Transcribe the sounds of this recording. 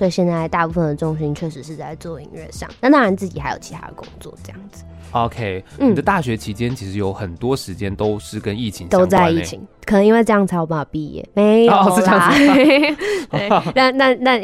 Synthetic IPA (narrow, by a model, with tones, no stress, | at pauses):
swɔ˥i˨˩ɕjɛ˥˧nt͡sa˥˧ɪt̪a˥˧pu˥˩fə˨˩nd̪ə˩ʈ͡ʂʊ˥ŋɕi˧˥ŋt͡ɕʰɥɛ˥˩ʂɻ̩˧˥ʂɻ̩˥˧t͡sa˥˧ɪt͡swɔ˥˩i˧ŋɻɛ̰˥˩ʂɑ̰˥˩ŋna˥˩t̪ɑ˥ɻa˧˦nt͡sɹ̩˥˩t͡ɕi˨˩xa˧˥ɪo˨˩ʊt͡ɕʰi˧˥t̪ʰa̰˥d̪ə˨˩kʊ̰˥ŋt͡swɔ̰˥˩˨ʈ͡ʂɤ˥˧jɑ̰˥˩ŋd͡zɹ̩˩o˧˦kʰe˥ɪn̩i˥˩˨d̪ə˦t̪a˥˩ɕɥɛ˧˥t͡ɕʰi˧˥t͡ɕjɛ˥nt͡ɕʰi˧˥ʂɻ̩˧˥jo˧˥ʊxə˨˩nt̪wɔ˦ʂɻ̩˧˦t͡ɕjɛ˦nt̪o˥ʊʂɻ̩˥˩kə˦ni˥˩t͡ɕʰi˧˦ŋɕt̪o˥ʊt͡sa˥˧˥ɪi˥˩t͡ɕʰi˧˦ŋkʰə˨˩nə˧ŋi˥we˥˧ʈ͡ʂɤ˥˧jɑ˥˩ŋt͡sʰa˧˥wpə˧˩a˩pi˧jɛ̰˥˩me˧˥ɪjo˨˩˥ | t̪t̪a˥˩nt̪a˥˧nt̪a˥˩n